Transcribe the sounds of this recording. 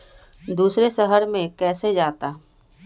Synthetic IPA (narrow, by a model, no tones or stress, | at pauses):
d̪uːsɾeʃəɦəɾmẽkɛːsed͡ʒaːt̪aː